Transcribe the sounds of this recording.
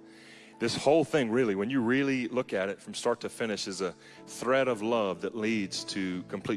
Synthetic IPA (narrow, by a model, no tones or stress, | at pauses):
ðɪshoʊlˠθɪ̃ŋɹɪlˠiwɨ̃njɨɹɪlˠilʊkɨɾɨtfɹʌ̃mstɑɹtʰɨfɪ̃ñɨʃɨzə | θɹɛɾʌvlʌvðɨtˡlidz̥tʰɨkʰm̩pʰl̥i